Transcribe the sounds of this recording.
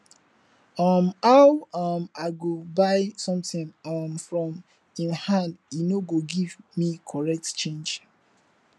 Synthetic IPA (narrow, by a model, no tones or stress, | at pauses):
ɔmawɔmaɪɡobaɪsɔ̃mtĩnɔmfɹɔ̃m | ĩnhãndinoɡoɡivmikʰɔɹɛk̚tt͡ʃẽnd͡ʒ